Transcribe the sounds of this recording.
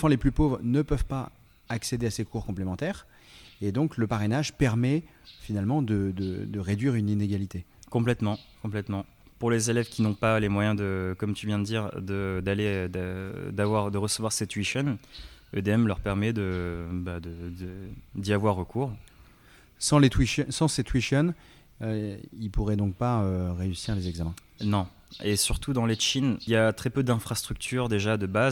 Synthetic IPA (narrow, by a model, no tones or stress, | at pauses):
fɑ̃leplypovʁnəpœvpa | aksed̪easekʰuʁkɔ̃plemɑ̃t̪ɛːʁ | ed̪ɔ̃kləpaʁenaʒpɛʁmɛ | finalmɑ̃d̪əd̪əd̪əʁed̪ɥiʁynineɡʲalit̪ekɔ̃plɛt̪mɑ̃kɔ̃plɛt̪mɑ̃ | puʁlezelɛvkʲinɔ̃palemwajɛ̃d̪əkɔmt̪yvjɛ̃d̪əd̪iʁd̪əd̪aled̪əd̪avwaʁd̪əʁəsəvwaʁset̪ɥiʃɔn | ø̰d̪eɛmlœʁpɛʁmɛd̪əbad̪əd̪əd̪iavwaʁːəkʰuʁ | sɑ̃let̪wiʃsɑ̃set̪wiʃɔn | øilpuʁɛd̪ɔ̃k̚paøʁeysiʁlezɛɡzamɛ̃ | nɔ̃ | esyʁt̪ud̪ɑ̃leʃiniljat̪χɛpød̪ɛ̃fχast̪χyk̚t̪ʰyʁd̪eʒad̪əbaz